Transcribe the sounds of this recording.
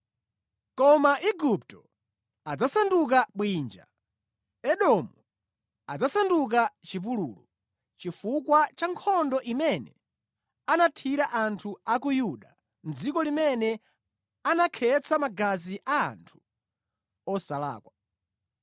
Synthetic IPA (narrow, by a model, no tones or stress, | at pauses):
kɔmaʔiɡup̚tɔ | ad͡zasanduk̬aɓwiːnd͡ʒa̰ | ɛɗɔmu | ad͡zasanduk̬at͡ʃip̬uluːlɔ | t͡ʃifukwat͡ʃaŋkʰɔndɔʔimɛnɛ | anatʰiɾaʔantʰuakujuɗa | n̩d͡zikɔlimɛnɛ | anakʰɛt͡sʰamaɡaziʔa̰ːntʰu̥ | ɔsala̰ːkwa